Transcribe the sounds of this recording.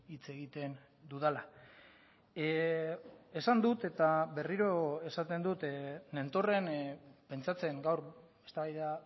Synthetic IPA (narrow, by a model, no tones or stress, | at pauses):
it͡se̞ɣit̪e̞n | d̪uðala | e̞sand̪ut̪e̞t̪aβe̞riɾo̞e̞sat̪e̞nd̪ut̪ne̞nt̪o̞re̞npe̞nt͡sat͡se̞ŋɡawɾ | est̪aβajðea